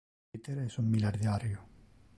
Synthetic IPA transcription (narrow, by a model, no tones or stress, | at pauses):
it̪eɾesumːilaɾðjaɾjo